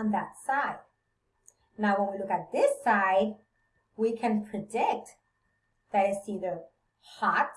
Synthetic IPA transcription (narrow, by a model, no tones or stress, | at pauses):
nðətsaɪd̥̚ | naʊwə̃nwilʊkɨt̪̚ðɪsaɪd̚ | wikʰɨ̃npʰɹ̥ɨdɪk̚t | ðɨɾɨsiðə | hɑt